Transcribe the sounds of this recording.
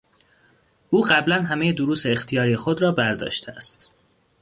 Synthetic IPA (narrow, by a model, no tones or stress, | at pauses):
ʔuːɢæblænɦæmejed̪oɾuːseːxt̪ʰijɒːɾijexod̪ɾɒːbæɾd̪ɒ̰ːʃt̪ʰeæst̪